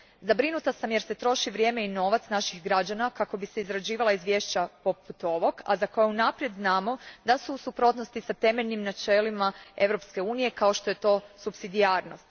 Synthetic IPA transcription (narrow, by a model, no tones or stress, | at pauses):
zabɾinut̪asamje̞ɾse̞t̪ɾo̞ʃiʋɾje̞ːme̞ino̞ːʋat̪snaʃixɡɾad͡ʑanakako̞bise̞izɾad͡ʑiːʋalˠaizʋje̞ʃt͡ɕapo̞put̪o̞ʋo̞ɡa̰zako̞jeunapɾje̞d̪znaːmo̞d̪asusupɾo̞t̪nost̪isat̪e̞me̞ʎnimnat͡ʃe̞limae̞ʋɾo̞pske̞uːnije̞kaoʃt̪o̞je̞t̪o̞ːsupsid̪iaːɾno̞stt̪